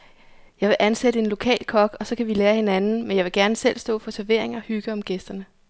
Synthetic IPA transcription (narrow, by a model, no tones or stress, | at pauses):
jɑ̈ɪʋe̝ʔænsed̥əe̝nlo̝kʰɛ̰ːlkʰɒ̽ɡ̥ɒ̽sɒ̽kʰæʋileːɐhe̝nænn̩menjɑ̈ɪʋe̝ɡ̥æɐnəsel̰sd̥ɔ̰ːfɒ̽sʰæɐʋe̝ɐ̰e̝ŋɐɒhyɡ̥əɒ̽mɡ̥esd̥ɐnə